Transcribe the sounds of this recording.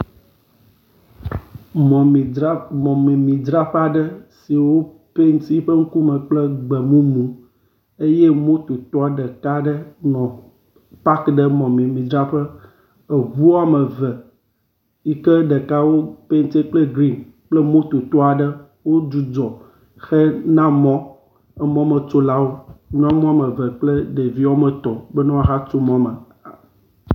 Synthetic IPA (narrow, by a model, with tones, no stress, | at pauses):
m˨mɔ̃˨mi˨mĩ˨d̪ɾa˦ɸa˦ɖə˦si˨wo˦ | pe˦nt̪i˦ɸə˦ŋ̩˦ku˦mə˨k͡plə˦ɡ͡bə˨mũ˦mũ˨ | e˦je˦mõ˦t̪o˨t̪ɔ˦a˨ɖə˨ka˦ɖə˦nɔ̃˨ | pa˦kɖə˦mɔ̃˨mĩ˨mĩ˨d̪ɾa˦ɸə˦ | ə˨ɣu˦a˨mə˨vɛ˨ | i˦kɛ˦ɖə˨ka˦wo˦pe˦n˦t̪e˦k͡ple˦ɡɾi˦n | k͡ple˦mõ˦t̪o˨t̪ɔ˦a˨ɖə˦ | wo˦d͡ʒu˨d͡zɔ˨ | xɛ˦nã˦mɔ̃˦ | ɛ˦mɔ̃˦mə˨t͡ʃo˦la˦wo˦nũ˦a˦mɔ̃˦a˦˨mə˨və˨k͡ple˦ɖe˨vi˦wo˦mə˨t̪ɔ˨bɛ˦nɔ̃˦a˦ɦa˦t͡ʃo˦mɔ̃˦mə˨